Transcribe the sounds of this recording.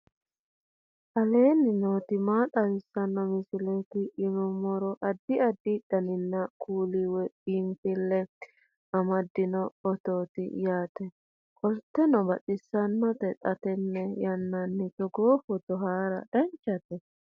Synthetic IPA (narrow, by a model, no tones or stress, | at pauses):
ʔɐleːnːɪnoːt̪ɪmaːt̪ʼɐɾɪsːɐnːɔmɪsɪlɛt̪ɪʔːnʊmɔɾɔʔɐd̪ːɪɐd̪ːɪːᶑɐnɪnːɐkʰuːliwɛiːmpɪlːɛ | ɐmɐd̪ːɪnɔːt̪oːt̪ɪ̰jaːt̪ɛ | kʼɔlt̪ːɛnɔbɐtʼɪsːɐnːɔt̪ɛt̪ʼɐt̪ɛnːɛjɐnːɐnːɪt͡ʃːɔɡoːfɔt̪ɔɦaːɾɐ̰d̪̥ɐɲt͡ʃːɐt̪ɛ